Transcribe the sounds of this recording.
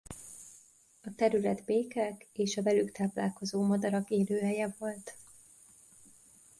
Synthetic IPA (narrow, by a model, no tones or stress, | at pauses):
ɒt̪ɛɾylɛd̪beːkɛkeːʃɒvɛlykt̪aːpla̰ːlko̞zoːmɒd̪ɒɾɒkeːløːɦɛjɛvo̞lt̪